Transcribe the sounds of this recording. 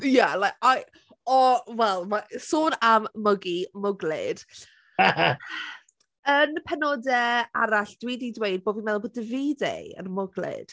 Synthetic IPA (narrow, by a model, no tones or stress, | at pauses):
jalaaj | ɔwɛlˠmasoːnamːəɡimʊɡlɪ̰d̥ | ənəpʰɛnɔdɛa̰ɾaɬd̥wɪdidwejd̚boːbvinmɛðˠboːdəviːdḛə̰nmʊɡlɪ̰d̥